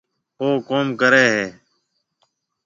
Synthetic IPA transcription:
oːkoːmkəɾeːɦeː

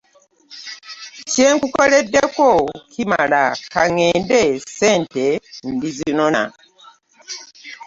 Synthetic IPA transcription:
ceːŋkukoledːekokʰima̰lakaŋeːndeseːntendiziinona̰

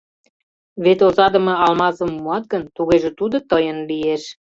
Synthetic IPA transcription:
βet̪ozɑd̪ə̆mɤ̆ɑlmɑsəmːuɑt̪̚ɡənt̪uɣeʒĕt̪ud̪ot̪əjənlieʃ

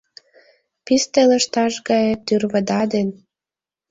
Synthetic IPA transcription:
pist̪elə̆ʃt̪ɑʃɡɑjet̪ːyrβə̆d̪ɑd̪en

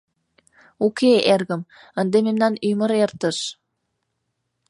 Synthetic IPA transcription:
ukeerɣə̆m | ənd̪ememnɑnymə̆ɾert̪ə̆ʃ

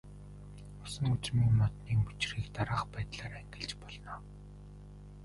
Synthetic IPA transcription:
ʊsə̆ŋut͡smiːŋmɔt̪niːŋmɵt͡ɕriːkt̪aɾaːχpæːt̪ɮaːɾæŋɡɪ̆ɮt͡ɕpɔɮnɔː

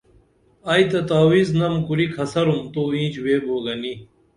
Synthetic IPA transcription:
ɐjt̪ɐt̪aːwiznɐmkuɾikʰɐsɐɾumt̪oːĩːt͡ɕweːbʱoːɡɐni

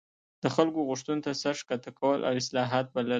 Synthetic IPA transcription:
d̪̥əxalkoɣʊʂt̪unt̪asaʂkat̪akʰawəlʔa̰wɪslɑɦɑt̪̚bala

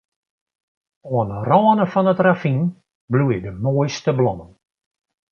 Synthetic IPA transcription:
oənərɔənəfɔnətrafin | blujədəmoːjstəblɔmən

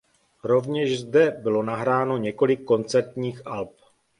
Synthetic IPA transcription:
ɾo̞vɲɛʃzdɛbɪlo̞naɦɾaːno̞ɲɛko̞lɪkːo̞nt͡sɛɾt̪ɲiːxʔalp̚

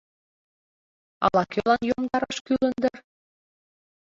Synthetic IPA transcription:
ɑ̰lɑkølɑnjomd̪ɑɾɑʃkylə̆nd̪ər

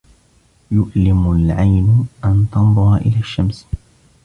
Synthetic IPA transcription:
jʊʔlɪmʊlʕajnʔant̪ɑnd̪ˤʊɾˤɑʔɪlaːʃːams

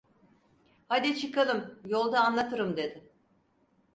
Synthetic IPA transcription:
had̪it͡ʃʰɯkalˠɯmjo̞lˠd̪aːnlˠat̪ʰɯɾɯmd̪e̞d̪ɪ

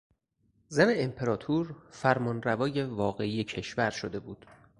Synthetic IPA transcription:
zæne̞ːmpʰe̞ɾɒːt̪ʰuːɾfæɾmɒːnrævɒːje̞vɒːɣe̞iːje̞cʰe̞ʃvæɾʃod̪e̞buːd̪̥

